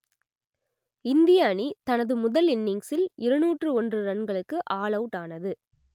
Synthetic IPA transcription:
ɪnd̪ɪjaːnit̪ɐnɐðɯmʊðɐlɪnːɪŋsɪlʔɪɾɐnuːʈrɯɔndrɯɾɐnɡɐɭɯkːɯʔaːɭɐʊʈaːnɐðɯ

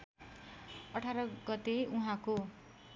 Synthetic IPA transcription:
ʌʈʰaɾʌɡʌt̪euɦãko

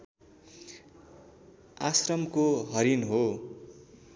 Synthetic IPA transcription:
asrʌmkoɦʌɾinɦo

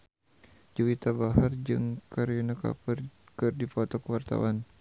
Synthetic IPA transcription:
d͡ʒuwit̪abaɦard͡ʒɨŋkaɾinaka̰pər | kɨrdifɔt̪ɔkəwart̪a̰wan

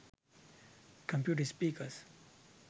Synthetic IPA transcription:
kʰɔ̃mpjuʈəspiːkəs

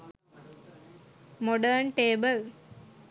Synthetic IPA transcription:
mɔɖəɾnʈeːbəl

